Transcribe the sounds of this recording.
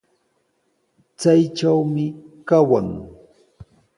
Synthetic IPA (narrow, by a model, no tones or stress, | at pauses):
t͡sajʈ͡ʂawmɪkawa̰ŋ